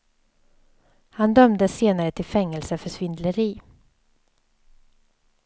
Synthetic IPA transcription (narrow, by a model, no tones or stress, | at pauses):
hand̪œmd̪əseːnaɾət̪ʰɪlfɛŋːɛlsəfœʂvɪnd̪ləɾiː